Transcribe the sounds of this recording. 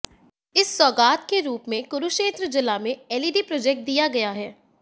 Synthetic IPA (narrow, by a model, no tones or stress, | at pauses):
ɪsːɔːɡaːt̪keɾuːpmẽkʊɾuʃeːt̪ɾəd͡ʒɪlamẽɛːliːɖipɾɔːd͡ʒɛk̚ʈ̚d̪ijaɡɐjaɦɛː